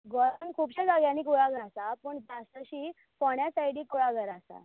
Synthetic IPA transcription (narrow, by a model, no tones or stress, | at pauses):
ɡɔɾãŋkʰuːpɕad͡zaɡjãnikuɭaɡəɾasapəɳd͡zast̪əɕiː | pɔɳjasajɽikuɭaɡʱəɾasa̰